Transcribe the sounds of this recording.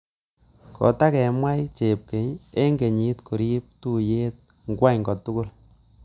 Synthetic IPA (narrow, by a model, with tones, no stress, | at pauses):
kɔ̰˨ta˦kɛ˨mwa˦jt͡ʃe˨p̚ke˨ɲe˦ŋɡe˨ɲi˦tko˨ɾi˦p̚tu˦je˦t̚ | ŋɡwa˦ɲŋɡɔ˨tʊ˦kʊ˦l